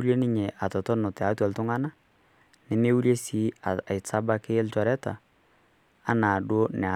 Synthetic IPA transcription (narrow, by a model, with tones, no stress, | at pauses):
u˦lje˦nɪ˦ɲe˨ʔa˨tɔ˨tɔ˦nʊ˨tɛ˨a˨˦twɔ˨ltʊ˦ŋa˦na˦ | nɪ˨me˦wu˦lje˦si˨˦a˨a˨ɪ˨sa˦ba˦kɪ˦lt͡ʃɔ˨ɾɛ˦ta̰˨˦ | na˨do˦nɛ˨a˨